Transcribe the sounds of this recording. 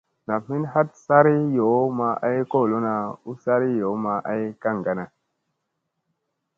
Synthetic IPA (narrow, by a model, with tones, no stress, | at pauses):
na˨mi˦nha˦t̚sa˦ɾi˦jo˨˦ma˨ʔa˦jko˦˨lo˦na˨u˦sa˦ɾi˦jo˨˦ma˨ʔa˦jka˦˨ŋɡa˨na˨